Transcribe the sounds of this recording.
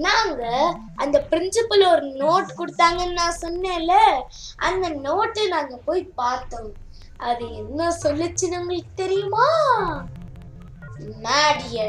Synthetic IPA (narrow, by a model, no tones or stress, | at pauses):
naːŋɡɐ | ɐnd̪ɐpɪɾɪnsɪpɐlɔɾɯnoːʈkɔɽɯt̪ːaːŋɡɐnnãːsɔnːeːlːɐ | ɐnd̪ɐnoːʈːɐnaːŋɡɐpoːjpaːɾt̪õː | ɐðɯɛnːɐsɔlːɪt͡ʃːɯnɐŋɡɐɭt̪ɛɾɪjʊmaː | naːɽɪjɐ